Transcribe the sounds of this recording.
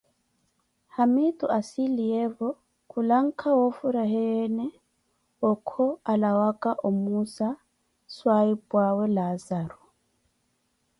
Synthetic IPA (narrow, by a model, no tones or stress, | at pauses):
hamitʼuʔasiliɛvɔ | kʰulaŋ̩kʰawɔfuɾaɦɛjɛnɛ | ɔkʰɔalawakʼaʔomusa | swaipwawɛlazaɾu